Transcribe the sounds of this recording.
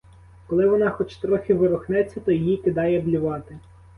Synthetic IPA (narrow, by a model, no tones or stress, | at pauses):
kɔlˠɪʋɔnɑxɔt͡ʃt̪ɾɔxʲɪʋɪɾʊxnɛt͡sʲːɐt̪ɔjijikɪd̪ɑjɛblʲiʋɑt̪ɪ